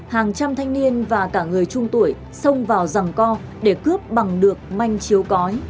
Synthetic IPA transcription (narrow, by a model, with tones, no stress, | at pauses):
haː˨˩ŋt͡ɕa˧mt̪ʰa˧jŋ̟ni˧ənvaː˨˩kaː˧˩ŋɨ˨˩əjt͡ɕʊ˧ŋ͡mt̪u˧˩əj | sə˧wŋ͡mvaː˨˩wza˨˩ŋkɔ˧ | ɗe˧˩kɨ˦˥əp̚ɓa˨˩ŋɗɨ˨˩ək̚ma˧jŋ̟t͡ɕi˨˦əwkɔ˨˦j